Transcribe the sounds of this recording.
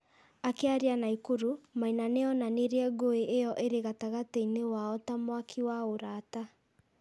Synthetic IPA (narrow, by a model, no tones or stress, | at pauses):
akeaɾianaikoɾumainaneɔnaneɾeɛɡoeʔejɔʔeɾeɣataɣatɛinewaɔtamwakʰiwaoɾaːta